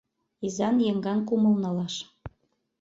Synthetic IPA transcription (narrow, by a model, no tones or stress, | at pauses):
izɑnjeŋɡɑnkumɤ̆lnɑlɑʃ